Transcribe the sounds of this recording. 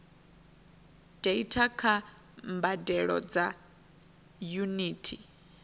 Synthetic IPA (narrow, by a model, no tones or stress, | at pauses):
d̥eitʰakʰa | mbadɛɺɔ̰d͡za | juniːtʰi